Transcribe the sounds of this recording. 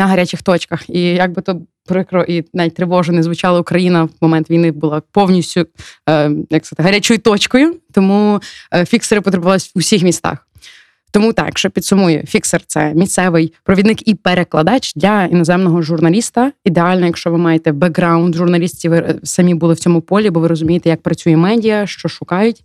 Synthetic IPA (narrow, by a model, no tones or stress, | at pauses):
nɐɦɐɾʲat͡ʃʲɪxt̪ɔt͡ʃkɐxijɐɡ̚bɪt̪ɔ | pɾɪkɾɔʔinait̚ʲt̪ɾɪʋɔʒɔnɛzʋʊt͡ʃɑlˠɐʊkɾɐjinɐmɔmɛnt̪ʋʲijnɪbʊlˠapɔwnʲisʲtʲʊ | jɐkst̪ɪɦɐɾʲat͡ʃɔjʊt̪ɔt͡ʃkɔjʊt̪ɔmufʲikseɾɪpɔt̪ɾebʊʋɑlˠɪsʲusʲixmʲist̪ɑ̰x | t̪ɔmut̪ɑ̰kʃɛpʲid̪sʊmɔjʊ̰fʲiksɛrt̪sɛmʲist̪sɛʋɪjpɾɔʋʲid̪nɪkipeɾeklˠɐd̪ɑt͡ʃd̪lʲɐinɔzɛmnɔɦɔʒʊrnɐlʲist̪ɐid̪eɑlʲnɔjɐkʃt͡ʃɔʋɪmɑjet̪ɛbɐɡɾɑʊnd̪ʒʊrnɐlʲisʲtʲiʋɪsɐmʲibʊlˠɪwt͡sʲɔmʊpɔlʲibɔʋɪɾɔzʊmʲijet̪ɛjɐk̚pɾɐt͡sʲujɛmɛdʲijɐʃt͡ʃɔʃʊkɑjʊtʲ